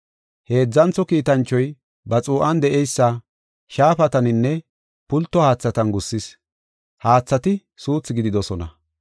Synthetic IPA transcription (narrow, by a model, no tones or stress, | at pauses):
he̞ːd͡zːɐnt͡sːɔkiːt̪ɐnt͡ʃːɔj | bɐt͡sʼuːʔɐnd̪ɛʔɛjsːɐ | ʃaːfɐt̪ɐnɪnːɛ | pʊlt̪ːɔhaːt͡sːɐt̪ɐnɡʊsːɪs | haːt͡sːɐt̪ɪ | suːt͡sːɪɡɪd̪ɪd̪ɔsɔnɐ̰